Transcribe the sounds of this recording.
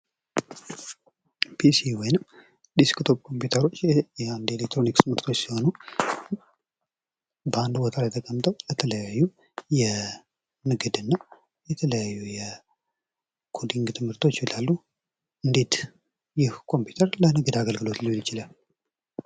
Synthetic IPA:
pʰisiwɔjnɨm | d̪isi̥kt̪ʰo̞bkʰo̞mpjut̪ʰəɾo̞t͡ʃːjɛand̪e̞lek̚t̪ɾo̞nikst̪ɨmɨɾt̪ʰo̞t͡ʃːsiho̞nu | bəand̪wɔt̪ʰʼaɛt̪ʰəkʼəmt̪ʰʼəwlət̪ʰələjajːu | jɛ | nɨɡɨd̪ɨnːa | jɛt̪ʰələjajːujɛ | kʰo̞d̪iŋɡt̪ʰɨmhɨɾt̪ʰo̞t͡ʃːɪlalːu | ɨnd̪e̞t̪ | jɪhkʰo̞mpʰju̥t̪ʰəɾlənɨɡɨd̪aɡəlɡɨlo̞t̪lilːɪt͡ʃɪlal

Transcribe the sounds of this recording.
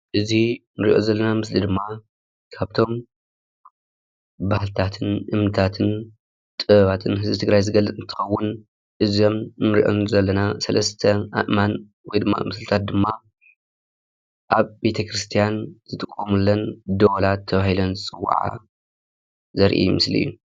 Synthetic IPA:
ʔɨzinɨɾḭʔo̞̰zɐlːɐnamɨslid̪ɨmːa | kʰaβt̪ʰo̞m | bahɨlt̪ʰat̪ʰɨnʔɨmnɨt̪ʰat̪ʰɨn | t̪ʼɨβat̪ʰɨnhɨzbɨt̪ʰɨɡɾajzɨɡɐlːɨt͡sʼɨnt̪ʰɨ̥xɐwːʊn | ʔɨzio̞mnɨɾḭʔo̞̰nzɐlːɐnasɐlɐst̪ʰɐa̰ʔman | wɔjd̪ɨmːa̰mɨslɨt̪ʰat̪̚d̪ɨmːa | ʔaβbe̞t̪ʰɐkɾɨst̪ʰijanzɨt̪ʼɨkʼːomulːɐnd̪olat̪ʰːɐβahilonzɨt͡sʼɨwːa̰ʕa̰ | zɐɾʔḭjumɨslḭjːu

